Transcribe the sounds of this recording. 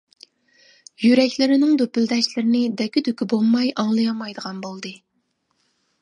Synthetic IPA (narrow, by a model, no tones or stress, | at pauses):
jyɾɛkʲlɪɾɪnɪŋd̪øpyld̪ɛʃlɪɾɪnɪd̪ɛkʲːɪd̪ykʲibolˠmɑjʔɑŋlˠɨjɑmɑjd̪əʁɑnbolˠd̪ɨ